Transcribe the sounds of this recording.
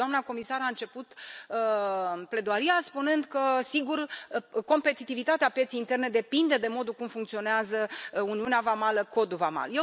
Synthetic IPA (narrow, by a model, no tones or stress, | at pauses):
amnako̞misaɾaɨnt͡ʃe̞put̪ | ple̞d̪oaɾiaspunɨnd̪kəsiɡurko̞mpe̞t̪it̪ivit̪at̪eapjet̪sejint̪e̞rne̞d̪e̞pind̪e̞d̪e̞mo̞d̪ulkumfuŋkt̪sio̞neazəuniuneavamaləko̞d̪uvama̰lje